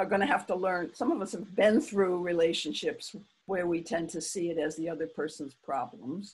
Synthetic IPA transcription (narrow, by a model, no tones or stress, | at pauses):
ə˞ɡʌñɨɦæftəlɜ̃˞nsʌ̃mʌvʌshɨvbɪ̃nθɹuɹileɪʃɨ̃nʃɪps | wə˞witʰɛ̃ntʰɨsiɨɾɨzðiʌðə˞pʰɜ˞sn̩z̥pʰɹ̥ɑblə̰̃mz̥